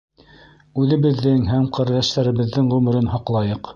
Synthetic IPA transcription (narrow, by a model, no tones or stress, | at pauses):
ʉðɘ̆βɘ̆ðːɘŋɦæmqɘ̆ɾðæʃt̪æɾɘ̆βɘ̆ðːɘŋʁʉmɘ̆ɾɘnɦɑqlˠɑjɤq